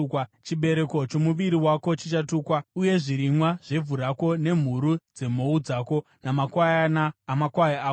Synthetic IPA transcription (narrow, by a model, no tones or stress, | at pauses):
t͡ʃiɓe̞ɾe̞ko̞t͡ʃo̞muʋiɾiwako̞t͡ʃit͡ʃatuːkwauje̞ʐiɾimwaʐ̥e̞vʱuɾako̞ne̞m̤uɾud͡ze̞m̤o̞ud͡zaːko̞ | namakwajanaːmakwajaaː